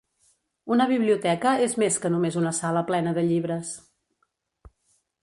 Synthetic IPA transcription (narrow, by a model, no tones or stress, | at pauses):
unəβ̞iβ̞liut̪ɛkəezmeskənumezunəsaləplɛnəðəʎiβɾəs